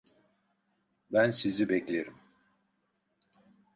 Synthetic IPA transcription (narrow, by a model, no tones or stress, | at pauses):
bænsizibɛclʲeɾim